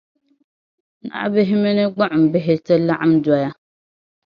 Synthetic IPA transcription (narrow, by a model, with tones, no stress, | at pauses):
na̰˦ʔbɪ˦ɦɪ˦mɪ˦nɨ˦ɡ͡ba˦ʔʊ˨m̩˨bɪ˦ɦɪ˦tɨ˦la˦ʔa˦m˦dɔ˦ja˦